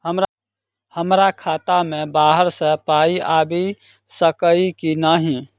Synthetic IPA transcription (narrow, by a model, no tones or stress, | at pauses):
ɦəmɾa | həmɾakʰaːt̪amẽbaːɦəɾsəpaːiʔaːbi | səkəikinaɦĩ